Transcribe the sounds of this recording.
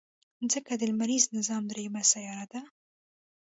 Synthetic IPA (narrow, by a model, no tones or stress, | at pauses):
nzakad̪ɪlmaɾiznɪzɑːmd̪ɾajmasajɑɾad̪a